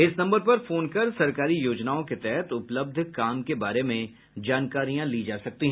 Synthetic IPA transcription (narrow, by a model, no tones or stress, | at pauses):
ɪsnɐ̃mbəɾpɐɾfoːnkɐɾsɐɾkaːɾijoːd͡ʒnaːõket̪ɛɦɛt̪ʊpləb̚d̪ʱkaːmkebaːɾemẽ | d͡ʒaːnkaːɾijãlid͡ʒaːsɐk̚t̪iɦɛ̃ː